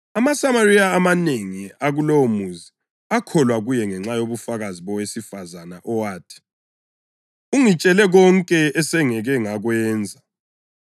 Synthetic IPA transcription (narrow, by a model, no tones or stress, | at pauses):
amasamariaːmaneŋiaɣulomuzi | akʰɔlwaɣujɛŋɛŋ͡ǁajoβufaɣaziβɔwesifazanaʔɔwaːtʰi̥ | uŋit͡ʃʼɛlɛɣɔŋkʼɛɛsɛŋɛɣɛŋaɣwɛːnd͡zʱa